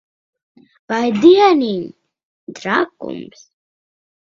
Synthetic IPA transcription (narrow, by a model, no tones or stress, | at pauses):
bajd̪ijanin | d̪ɾakʼṵmbs